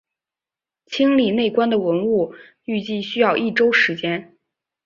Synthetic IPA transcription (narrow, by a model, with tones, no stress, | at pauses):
t͡ɕʰi˥ŋli˨˩ne˥˩ɪkwa˥nd̪ə˨wə˧˥nu˥˩ | y˥˧t͡ɕi˥˩ɕy˥jɑ˥˧ʊʔi˥˩ʈ͡ʂo˥ʊʂɻ̩˧˥t͡ɕjɛ˥n